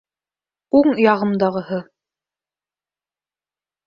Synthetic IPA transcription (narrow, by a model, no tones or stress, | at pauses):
uɴjɑʁɤ̆md̪ɑʁɤ̆hɤ